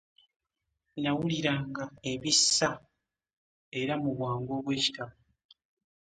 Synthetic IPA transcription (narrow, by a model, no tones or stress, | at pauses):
nawuliɾaːŋɡae̞βisːa | e̞ɾamuβwaːŋɡo̞ːβwe̞ːci̥taβa